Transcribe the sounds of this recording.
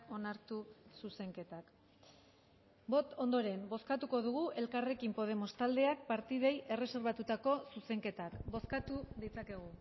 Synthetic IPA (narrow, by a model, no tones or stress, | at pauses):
o̞naɾt̪ususe̞ŋke̞t̪ak | bo̞t̪o̞nd̪o̞ɾe̞mbo̞skat̪uko̞ðuɣ̞uʔe̞lkare̞kimpo̞ð̞e̞mo̞st̪ald̪e̞ak̚paɾt̪iðe̞jʔe̞re̞se̞ɾβat̪ut̪ako̞suse̞ŋke̞t̪akbo̞skat̪uðit͡sake̞ɣ̞u